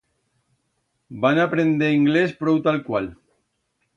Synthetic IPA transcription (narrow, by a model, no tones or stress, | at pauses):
banapɾend̪eiŋɡlespɾɔwt̪alkwal